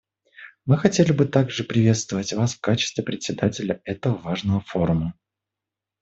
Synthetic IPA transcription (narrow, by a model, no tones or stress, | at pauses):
mɨxɐtʲelʲɪbɨt̪aɡʐɨpɾʲɪvʲe̞t̪st̪vəvətʲvasfkat͡ɕɪ̥st̪vʲɪpɾʲɪt̪ʲsʲɪd̪atʲɪlʲəɛt̪əvəvaʐnəvəfo̞ɾʊmə